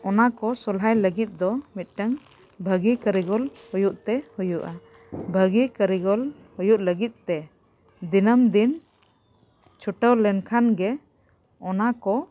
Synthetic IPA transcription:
ɔnakɔsɔlɦajləɡit̪̚ˀd̪ɔmit̪̚ˀʈəŋ | bʱəɡikəɾiɡɔlhujuʔt̪ɛhujuʔa | bʱəɡikəɾiɡɔl | hujuʔləɡit̪̚ˀt̪ɛ | d̪inəmd̪in | t͡ʃʰuʈəwlɛnkʰanɡɛ | ɔnakɔ

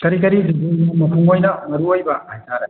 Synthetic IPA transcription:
kɐɾik̬ɐɾiɾubunumɐpʰuŋojnɐmɐɾuojbɐʔajtaɾɐ

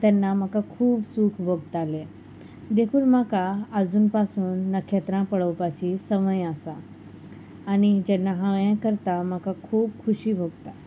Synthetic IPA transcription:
t̪ɛnːamakakʰuːbsukʰbʱəɡt̪ale | d̪ekʰuːlm̤akaəd͡zuːnpasuːnːəkʰːet̪ɾãpəɽəwpat͡ɕisəməjasaː | ñid͡ʑɛnːaɦaʋjãkəɾt̪am̤akakʰuːb̚kʰuɕiːbʱəɡt̪a

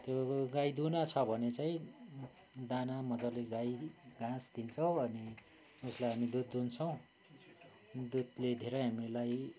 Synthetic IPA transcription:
t̪joɡajd̪unat͡sʰʌbʱʌnet͡saĩ | d̪anamʌd͡zaleɡajɡãsd̪int͡sʰʌw̃ʌni | uslajɦamid̪ud̪unt͡sʰʌw̃ | d̪ud̪led̪ʱeɾʌjɦamilaj

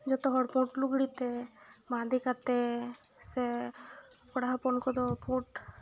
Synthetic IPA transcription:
d͡ʒɔt̪ɔɦɔɽpũʈluɡɽit̪ɛbãd̪ikat̪e | se | kɔɽaɦapɔnkɔd̪ɔpũʈ

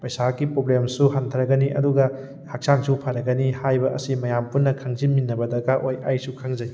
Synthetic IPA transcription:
pɐjsakːipɾoblemsuɦantʰɐɾɐɡɐniʔɐduɡɐ | hak̚saŋsupʰaɾɐɡɐnihajbɐɐsimɐjampunːɐkʰɐŋzinminːɐbɐdɐɡaʔojajsukʰaŋzɐj

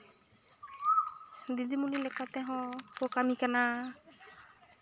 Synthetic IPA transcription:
d̪id̪imulilɛkat̪ɛɦɔ̃pɔkamikana

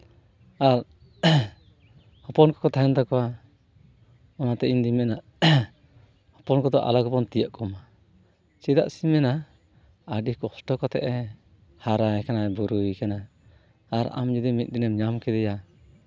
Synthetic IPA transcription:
aɾ | hɔpɔnkɔ̥kɔt̪ʰajant̪akɔwa | ɔnat̪ɛʔiɲd̪imɛnaʔ | hɔpɔnkɔd̪ɔʔa̰lakɔpɔnt̪ijaʔkɔma | t͡ʃɛd̪a̰ʔsimɛna | aɖikɔhʈɔkɔt̪ɛ̰ʔɛ | haɾajkanabuɾujkanaː | ɾa̰md͡ʒud̪imit̪̚d̪inɛmɲamkɛd̪ɛja

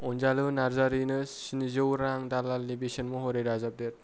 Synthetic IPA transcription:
ɔnzalɯnaɾzaɾinɯsinizɯwɾaŋdalalːibesɔnmɔɦɔɾeɾazap̚det

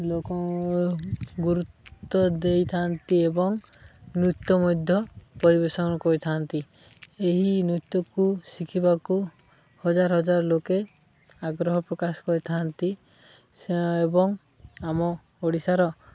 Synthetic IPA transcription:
lokɔ | ɡuɾut̪ːɔd̪ejt̪ʰant̪iebɔŋ | nut̪ːɔmɔjd̪ʱjɔpɔɾibesɔnɔkɔɾit̪ʰant̪i | eɦinut̪ːɔkusikʰibaku | hɔd͡ʒaɾɔɦɔd͡ʒaɾɔloke | aɡɾɔɦɔpɾɔkasɔ̥kɔɾit̪ʰant̪i | ebɔŋ | amɔ | oɽisaɾɔ

